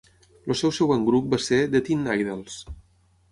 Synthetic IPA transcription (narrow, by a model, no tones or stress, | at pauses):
losɛwsɛwəŋɡɾup̚based̪ət̪inːajðelˠs